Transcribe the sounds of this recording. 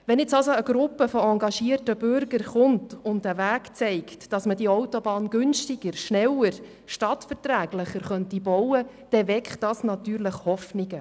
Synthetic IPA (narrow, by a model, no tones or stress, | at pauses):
ʋɛnɛt͡sɑlsoəɡ̥ɾʊpːəfɔɑŋɡɑʃiːərtəbʏɾɡəɾχʊntʊntdəvæːkt͡sɛɪktd̥ɑsmədiɔwtobɑːnɡ̥ʏnʃtɪɡəɾʃnɛləɾ | ʃtɑtfəɾtɾæːɡləχəɾχœntibɔwə | d̥ɛvɛkχtdɑsnɑtyːɾləχhɔfnɪɡə